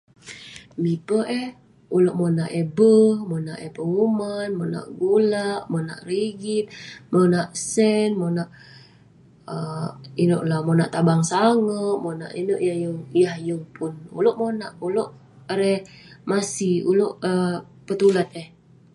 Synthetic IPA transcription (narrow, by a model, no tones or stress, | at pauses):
mipəʔɛh | uloʔmonaʔebəhmonaʔepəŋumanmona̰ʔɡulaʔmona̰ʔriɡit̪̚monaʔsɛnmonaʔ | əinoʔlahmonaʔt̪abaŋsaŋəʔmona̰ʔinoʔjahjəŋjahjəŋpʰʊnṵloʔmonaʔuloʔ | ɾɛmasiṵloʔə | pət̪ulat̪̚ɛh